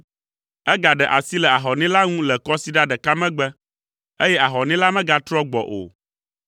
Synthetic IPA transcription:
ɛ˦ɡa˨ɖɛ˨ʔa̰˨si˦lɛ˨a˨ɦɔ˨nĩ˦la˦ŋũ˦lɛ˨kɔ˦si˦ɖa˦ɖɛ˨ka˦mɛ̃˦ɡ͡bɛ˦ | e˦jɛ˦ʔa˨ɦɔ˨nĩ˦la˦mɛ̃˦ɡa˨t̪ɾɔ˦ɡ͡bɔ̰˨ʔo̰˨

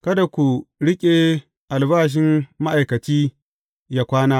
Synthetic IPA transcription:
kɐ˦da˨kʷu˨ɽɪ˦kʲʼeː˨ | ʔa˨lbaː˦ʃ̬ɪ˦mːa˦ʔa˨jkɐ˨t͡ʃiː˦ | jaː˦kʷaː˦naː˦

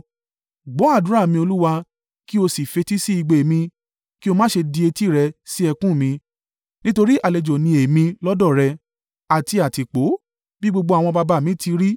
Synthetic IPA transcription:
ɡ͡bɔ˨˦a˦˨dũ˨˦ɾa˦˨mĩ˧o˧lu˦wa˧ | ki˦o˧si˨fe˧ti˦si˦i˧ɡ͡be˨mĩ˧ | ki˦o˧mã˦ʃe˧di˧e˧ti˦˨ɾɛ˧si˦ɛ˧kũ˦˨mĩ˧ | nĩ˦to˧ɾi˦ʔa˨le˨d͡ʒo˨nĩ˧e˨mĩ˧lɔ˦dɔ˦˨ɾɛ˧ | a˨ti˧a˨ti˨k͡po˨˦ | bi˦ɡ͡bo˧ɡ͡bo˧a˨w̃ɔ̃˧ba˧ba˧˦˨mĩ˨˦ti˧ɾi˦

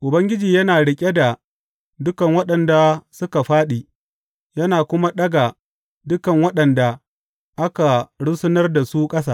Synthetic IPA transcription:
ʔʊ˨bɐ˦ŋɡʲɪ˦d͡ʒiː˨jɐ˦naː˨ɽɪ˨kʲʼe˦da˨ | dʊ˦kɐ˨ŋwɐ˦ɗɐ˨nda˨sʊ˦ka˨ɸaː˦ɗiː˨ | jɐ˦naː˨kʷʊ˦ma˦ɗɐ˦ɡa˨ | dʊ˦kɐ˨ŋwɐ˦ɗɐ˨nda˨ | ʔa˦ka˨ɽʊ˦sʊ˦nɐ˦rda˨su˦kʼɐ˦s̬aː˦˨

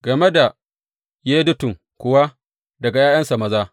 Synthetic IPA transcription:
ɡ̥ɐ˨me˦da˨ | jeː˦dʊ˦tʊ˨ŋ | kʷʊ˨wa˦ | dɐ˨ɡa˨jaː˦jɐ˦nsa˨mɐ˨zaː˦

